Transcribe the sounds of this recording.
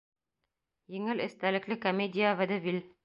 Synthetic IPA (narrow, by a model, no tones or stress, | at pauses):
jɘ̆ŋɘlɘ̆st̪ælɘ̆klɘkomʲedʲijavɘd̪ɘvʲil